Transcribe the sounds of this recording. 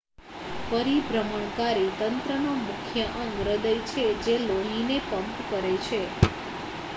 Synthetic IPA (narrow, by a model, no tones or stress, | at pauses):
pəɾibʱɾəməɳ̃kaɾit̪ənt̪ɾənomukʰjəʔə̃ŋɡɾəd̪əjt͡ʃʰed͡ʒeloɦinepəmpkəɾet͡ʃʰe